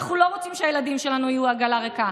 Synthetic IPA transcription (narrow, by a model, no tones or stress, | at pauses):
aχnulo̞ʁot͡simʃeajelad̪imʃelanuijuaɡalaʁeka